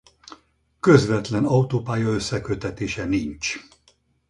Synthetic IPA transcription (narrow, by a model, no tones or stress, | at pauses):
kø̞zvɛt̪lɛnɒut̪oːpaːjɒø̞sːɛkøt̪ɛt̪eːʃɛnint͡ʃ